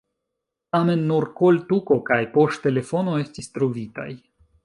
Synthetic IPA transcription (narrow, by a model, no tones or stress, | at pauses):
tame̞nːuɾko̞ltuko̞kajpo̞sttːe̞le̞fo̞no̞e̞stistɾovita̰j